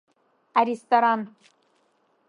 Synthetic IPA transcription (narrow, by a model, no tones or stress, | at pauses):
aɾest̪oɾan